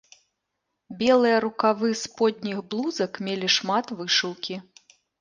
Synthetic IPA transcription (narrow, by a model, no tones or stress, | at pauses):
bʲɛlˠɨjɐɾukavɨspɔd̪̚ʲnʲixblˠuzɐkmʲelʲiʂmat̪vɨʂɨwkʲi